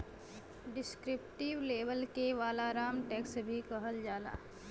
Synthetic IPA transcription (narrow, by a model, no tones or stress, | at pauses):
ɖɪskɾɪp̚ʈɪʋleːʋəlkeʋaːlaɾaːmʈɛːksbʱikəɦəld͡ʒaːla̰ː